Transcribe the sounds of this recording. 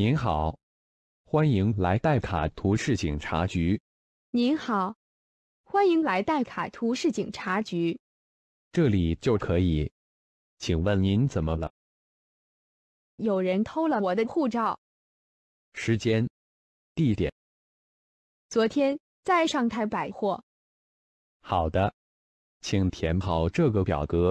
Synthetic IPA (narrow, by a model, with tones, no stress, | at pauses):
ni˧˥nxɑ˨˩˦ʊ | xwa˥ni˧˥ŋla˧˥ɪt̪a˥˩ɪkʰa̰˨˩t̪ʰu˧˥ʂɻ̩˥˩t͡ɕi˨˩ŋʈ͡ʂʰa̰˧˥t͡ɕy˧˥ | ni˧˥nxɑ˨˩˦ʊ | xwa˥ni˧˥ŋla˧˥ɪt̪a˥˩ɪkʰa̰˨˩t̪ʰu˧˥ʂɻ̩˥˩t͡ɕi˨˩ŋʈ͡ʂʰa˧˥t͡ɕy˧˥ | ʈ͡ʂɤ˥˩li˨˩t͡ɕjo˥˩ʊkʰɤ˧˥i˨˩˦ | t͡ɕʰi˨˩ŋwə˥˩nni˧˥nt͡sə˨˩nmə˦lə̰˧˦ | jo˨˩ʊɻə˧˥nt̪ʰo˥ʊlə˨˩wɔ˨˩d̪ə˦xu˥˧ʈ͡ʂɑ˥˩ʊ | ʂɻ̩˧˥t͡ɕjɛ˥n | t̪i˥˩t̪jɛ̰˨˩˦n | t͡swɔ˧˥t̪ʰjɛ˥n | t͡sa˥˧ɪʂɑ˥˧ŋt̪ʰa˥˩ɪpa˨˩ɪxwɔ˥˩ | xɑ˨˩ʊd̪ə˦ | t͡ɕʰi˨˩ŋt̪ʰjɛ˧˥npʰɑ˨˩ʊʈ͡ʂɤ˥˩ɡə˩pjɑ̰˨˩ʊk̪ɤ˧˥